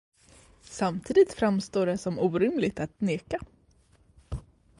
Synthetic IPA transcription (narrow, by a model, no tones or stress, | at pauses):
samt̪ʰiːd̪ɪt̪fɾamst̪oːɖɛsɔmuːɾɪmlɪɡt̪at̪neːka